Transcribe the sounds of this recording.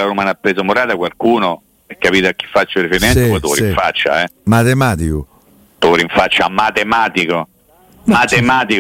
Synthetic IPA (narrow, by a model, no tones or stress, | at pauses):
aɾumaːnapːɾeːsomoɾaːt̪akwalkuːno | ɛkːapiːt̪ak̟ːi̥fːat͡ʃːorifeɾimensopɔjt̪ooɾiɱfat͡ʃːa̰ɛmat̪emaːt̪iku | t̪oɾiɱfat͡ʃːamat̪emaːt̪iko | mat̪emaːt̪ik